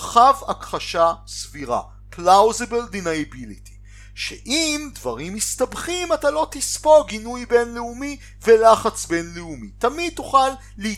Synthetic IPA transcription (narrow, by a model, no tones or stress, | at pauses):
χavakχaʃasviʁa̰ | plawzebeld̪inajabiliti̥ | ʃḛʔimdvaʁimːist̪abχimatalo̞t̪ispo̞ɡinujbe̞nleumi | velaχat͡sbe̞nleumitamid̪̚t̪uχalːi